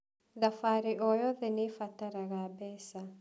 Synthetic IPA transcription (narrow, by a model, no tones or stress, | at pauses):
ðafaɾiʔɔjɔðɛnifat̪aɾaɣabɛsa